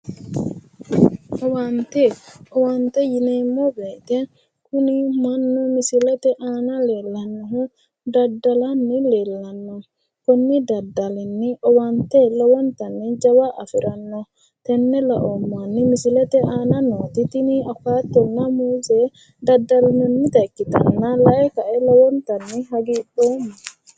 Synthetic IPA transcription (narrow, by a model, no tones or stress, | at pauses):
ʔɔwaːnt̪ɛɔwant̪ɛjɪneːmːɔbeːt̪ɛ | kʊnɪmɐnːɔmɪsɪlɛt̪ɛʔaːnɐleːlːɐnːɔɦʊ | d̪ɐd̪ːɐlɐnːɪleːlːɐnːɔ | kɔnːɪd̪ɐd̪ːɐlɛnːɪʔɔwɐnt̪ɛlɔwɔnt̪ɐnːɪd͡ʒɐwaʔɐ̰fɪɾɐnːɔ | t̪ɛnːɛlɐ̰ʔɔmːanːɪmɪsɪlɛt̪ɛʔaːnɐnoːt̪ɪt̪ɪnɪɐfaːt̪ːɔnːɐmuːzeː | d̪ɐd̪ːɐlnɔnːɪt̪ɐkːɪt̪ɐ̰nːɐlɐʔɛkɐʔɛlɔwɔnt̪ɐnːɪɦɐɡiːɗoːmːɔ